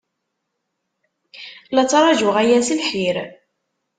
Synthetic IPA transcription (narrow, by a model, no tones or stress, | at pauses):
lɑt͡sːɾˤɑʒʊʁæjæsilħiɾ